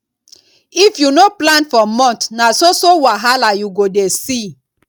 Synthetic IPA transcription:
ifjunoplãnfɔmɔ̃ntnasosowaɦalajuɡodesi

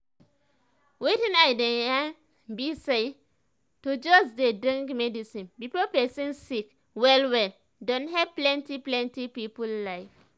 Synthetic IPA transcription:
witĩnaɪdɛ̃ã | bise | tod͡ʒɔsdedɹĩŋɡmɛdisĩnbipopɛsĩnsik | wɛlwɛl | dɔ̃nɦɛvplɛ̃ntiplɛ̃ntipipullaɪf

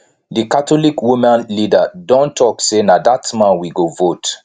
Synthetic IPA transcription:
dikatɔlikwimãnlidadɔ̃ntɔksenadatmãnwiɡovot

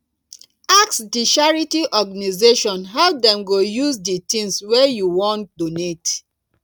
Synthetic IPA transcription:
aksdiʃaɹitiʔɔɡanizeʃɔ̃nɦɛlp̚dɛ̃mɡojuzditĩŋswejuwɔ̃nt̚donet

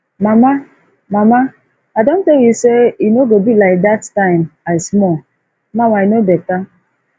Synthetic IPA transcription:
mama | mama | adon̩teljuseinoɡobilaɪk̚dattaɪ̃maɪsmɔ | mawainobeka

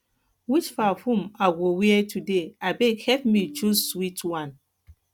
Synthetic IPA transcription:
wit͡ʃfafũmaɡowiɛtudeabekhɛpmid͡ʒuswitwãn

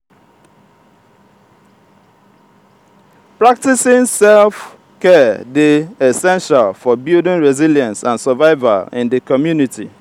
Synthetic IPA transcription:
pɹak̚tisɪ̃nsɛlf | kɛdiɛsɛ̃nʃalfɔbildɪ̃nɹɛziljãnsãnsəvaɪva̰lɪ̰̃ndikɔmjuniti

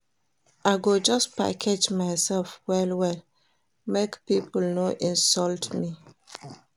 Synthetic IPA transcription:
ʔaɡod͡ʒɔspa̰kʰed͡ʒmaɪsɛlfwɛlwɛl | mekpipul̩noʔĩnsɔltmi

